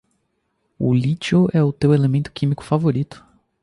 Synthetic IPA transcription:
ʊ̰lit͡ʃoɛʊt̪ewelemẽnt̪ʊ̥kʰĩmikʊ̥favoɾit̪ʊ̥

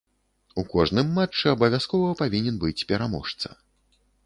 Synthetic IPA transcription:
ukɔʐnɨmːat͡ʂːɨɐbɐvʲjaskɔvɐpavʲinʲɛnbɨt͡sʲpʲɛɾamɔ̰ʂt̪sɐ̰

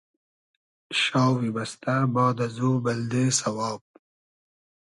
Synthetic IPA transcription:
ʃɑːwibɐst̪abɑːd̪azuːbɐld̪eːsɐwɑːb̚

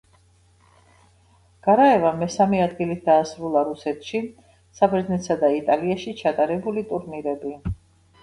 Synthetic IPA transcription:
ɡ̥aɾaɛvamɛsamiad̪ɡilit̪̚d̪aːsɾulˠaɾusɛt̪ʰʃi | sabɛɾd̪znɛt̪ʰsad̪ait̪ʼaliaʃit͡ʃʰat̪ʼaɾɛbulit̪ʼuɾniɾɛbi

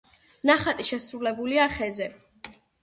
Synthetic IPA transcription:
naχat̪ʼiʃɛsɾulɛbuliaχɛzɛ

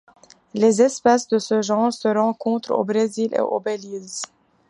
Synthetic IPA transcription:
lezɛspasd̪əsəʒɑ̃ːʁsəʁɑ̃kɔ̃t̪χo̰bʁezilʔḛʔo̰beliz

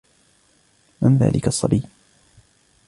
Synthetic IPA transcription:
mɪnða̰ːlʔɪkasˤːɑbiː

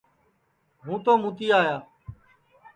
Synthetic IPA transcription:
ɦũːt̪oːmũːt̪iːaːjaː

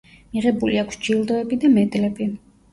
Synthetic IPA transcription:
miʁɛbuliakʰsd͡ʒilˠd̪ɔɛbid̪amɛd̪lɛbi

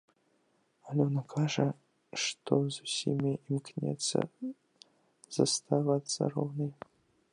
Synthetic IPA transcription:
alʲɛɔnakʰaʐɐ | ʂt̪ɔzusʲimʲiʔimknʲɛ̰t̪sɐ̰ | z̥ɐst̪ʰavat̪sːɐ̰ɾɔwnɨj

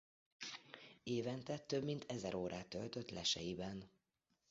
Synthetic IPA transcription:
eːvɛnt̪ɛt̪ːøbmint̪ʰɛzɛɾoːɾaːt̪ølt̪øt̪lɛ̰ʃɛ̰jibɛn

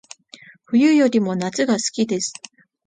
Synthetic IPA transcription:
ɸɯ̟jɯjo̞ɾʲimo̞nat͡sɨɡasɨ̥kʲid̪e̞sɨ̥

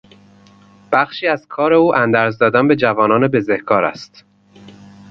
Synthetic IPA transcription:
b̥æxʃiːæz̥kʰɒːɾe̞uːʔænd̪æːɾzd̪ɒːd̪ænbe̞d͡ʒævɒːnɒːnebe̞zehkʰɒːɾæ̰st̪

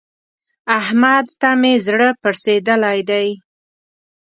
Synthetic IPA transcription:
ahmad̪t̪amezɽəpəɾsed̪əlajd̪aj

